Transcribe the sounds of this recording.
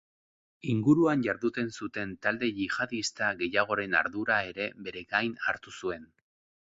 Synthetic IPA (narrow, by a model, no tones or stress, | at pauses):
iŋɡuɾuanʝaɾðut̪e̞nsut̪e̞nt̪ald̪e̞ʝiɣaðist̪aɣe̞jaɣ̞o̞ɾe̞na̰ɾðuɾae̞ɾe̞be̞ɾe̞ɡajnaɾt̪usue̞n